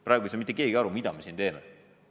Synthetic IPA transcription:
pɾɑːɡuisemit̪ːekeːɡiɑɾumid̪ɑmesind̪eːme

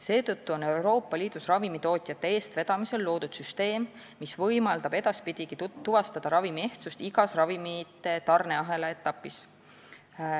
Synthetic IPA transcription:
se̞ːt̪ɤt̪ːuo̞ne̞wɾo̞ːpːˑɑliːd̪̥usrɑvimit̪o̞ːt̪ʲˑjɑt̪ːe̞eːst̪ve̞d̪̥ɑmise̞lːo̞ːd̪̥ud̪̥syst̪e̞ːmː | isvɤjmɑld̪ɑb̥e̞d̪̥ɑspid̪̥ʲiɡ̥it̪uvɑst̪ɑd̪̥ɑɾɑvimie̞ht̪sust̪iɡ̥ɑsrɑvimit̪ːˑe̞t̪ɑrne̞ɑɦe̞leet̪ːˑɑpːˑis

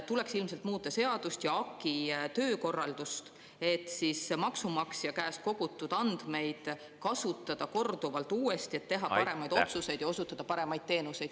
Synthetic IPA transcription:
t̪ule̞ksilmse̞lt̪muːt̪ːˑɑse̞ɑd̪̥ust̪jɑɑkːˑit̪ø̞ːko̞rːɑld̪̥ust̪ | e̞t̪ːˑsismɑksumɑksijɑkæːst̪̚ko̞ɡ̥ut̪ːˑud̪̥ɑnd̪̥me̞jd̪̥ | kɑsut̪ːˑɑd̪̥ɑko̞rd̪̥uvɑlt̪uːest̪ie̞t̪ːe̞ɦɑpɑɾe̞mɑjd̪o̞t̪suse̞jd̪jɑo̞sut̪ːˑɑd̪̥ɑpɑɾe̞mɑjd̪̥̚t̪e̞ːnuse̞jd̪̥

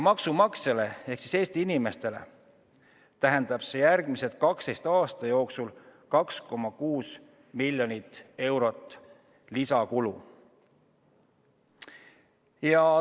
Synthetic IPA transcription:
mɑksumɑkse̞le̞e̞hksi̥se̞ːst̪iinime̞st̪e̞le̞̰ | t̪æɦend̪ɑb̥se̞jærɡ̥miset̪̚kɑkst̪e̞jst̪ɑːst̪ɑjo̞ːksulkɑksko̞mːɑkuːs | milʲjo̞nit̪ːˑe̞wɾo̞t̪ːˑ | lisɑkulu | jɑ

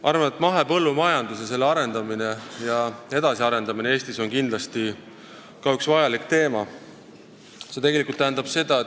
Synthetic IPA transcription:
ʔɑrvɑnet̪ːˑmɑɦe̞pɤ̞lːumɑjɑnd̪us̬ese̞lːeɑɾe̞nd̪ɑmine̞jɑe̞d̪̥ɑsiɑɾe̞nd̪̥ɑminee̞ːst̪iso̞nkind̪lɑst̪i | kɑyksvɑjɑlikt̪e̞ːmɑ | se̞t̪eɡe̞likult̪ːæɦːnd̪ɑb̥se̞d̪̥ɑe

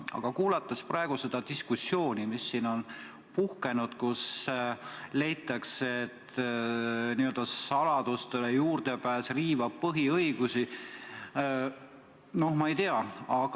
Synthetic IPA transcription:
ɑ̰ɡ̥ɑkuːlɑt̪ːˑɑsprɑe̞ɡ̥use̞d̪̥ɑd̪iskusːjo̞ːnimisːiːno̞n | puhke̞nud̪̥kus | le̞jt̪ːˑɑkset̪ | niø̞ld̪̥ɑɑlɑd̪̥ust̪elejuːrd̪e̞pæːsriːvɑb̥̚pɤɦiɤjɡ̥usi | no̞hmɑejt̪eɑɑɡ̥

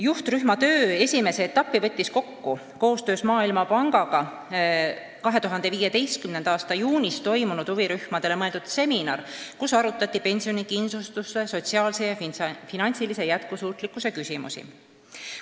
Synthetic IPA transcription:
juht̪ryhmɑt̪ø̞ːe̞sʲime̞se̞ːt̪ːɑpːˑivɤ̞t̪ʲˑːisko̞kːu | ko̞ːst̪ø̞ːsmɑːilmɑpɑŋɡ̥ɑɡ̥ɑ | kɑɦe̞t̪uɦɑnd̪̥e̞viːjet̪e̞jst̪̚kymnend̪̥ɑːst̪ɑjuːnʲist̪o̞jmunud̪uviɾyhmɑd̪̥e̞le̞mɤe̞ld̪ud̪̥se̞minɑrkusɑɾut̪ːˑɑt̪ʲˑːipe̞nʲsio̞nikinsust̪usːe̞so̞t̪ʲsiɑːlsejɑfinɑnʲsilise̞jæt̪kusuːt̪ˑlikːˑuse̞kysʲimṵsḭ

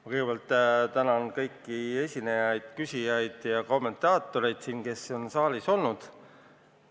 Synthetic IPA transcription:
mɑkɯjɡebelt̪ːˑt̪ænɑnkɤjkːie̞sʲinejɑjd̪̥̚kysʲijɑjd̪̥jɑko̞mːe̞nt̪ˑɑːt̪ːˑoɾe̞jd̪̥siːnke̞so̞nsɑːliso̞lnud̪̥

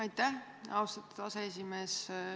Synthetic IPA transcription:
ɑjt̪ːæh | ɑwst̪ɑt̪ːud̪̥ɑsees̬ʲime̞ːs

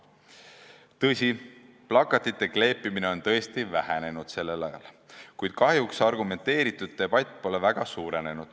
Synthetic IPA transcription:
t̪ɤsʲi | plɑkːˑɑt̪ːˑit̪ːe̞kle̞ːpːˑimine̞o̞nt̪ɤ̞est̪ivæhene̞nud̪̥se̞lːe̞lɑjɑ̰l | kujd̪̥̚kɑhjuksɑrɡume̞nt̪e̞ːɾit̪ːˑud̪̥̚ːe̞b̥ɑjt̪ʲːˑpo̞levæɡ̥ɑsuːɾe̞ne̞nud̪̥

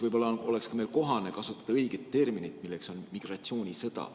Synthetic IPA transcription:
vɯjbo̞lːɑo̞le̞kskɑme̞ːlko̞ɦɑne̞kɑsut̪ːˑɑ̥d̪̥ɑɤjɡ̥et̪ːe̞rminit̪milːe̞kso̞nmiɡ̥rɑt̪sio̞ːnʲisɤd̪̥ɑ̰

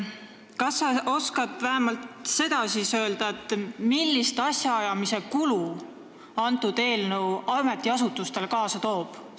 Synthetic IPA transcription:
kɑsːɑo̞skɑd̪væɦæmɑlt̪se̞d̪̥ɑsiːsø̞ːld̪̥ɑet̪ːˑmilːist̪ɑsjɑɑjɑmise̞kulu | ɑnt̪ːˑud̪̥e̞ːlnəwɑme̞t̪ːˑiɑsut̪ːˑust̪e̞lkɑːsɑt̪o̞ːb̥

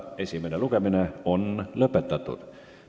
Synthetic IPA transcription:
esimenelukemineonløpet̪ːæt̪ːṵ

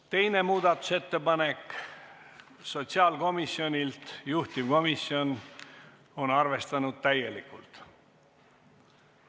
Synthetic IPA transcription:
t̪e̞jne̞muːd̪̥ɑt̪ːˑu̥se̞t̪ːe̞pɑne̞k | so̞t̪ʲsiɑːlko̞misio̞nʲilt̪juht̪ivko̞misio̞n | o̞nɑrve̞st̪ɑnud̪̥̚t̪æje̞likːˑult̪

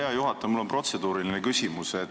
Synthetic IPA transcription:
eɑjuɦɑt̪ːˑɑmulːo̞npro̞t̪se̞d̪̥uːɾilinekysʲimuse

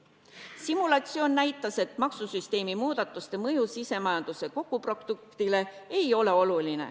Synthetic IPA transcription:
simulɑt̪sio̞ːnnæjt̪ːˑɑse̞t̪ˑmɑksusyst̪e̞ːmimuːd̪̥ɑt̪ːˑust̪e̞mɤjusise̞mɑjɑnd̪̥use̞ko̞kˑːupro̞kd̪̥uk̚t̪ile̞e̞jo̞le̞o̞lulinḛ

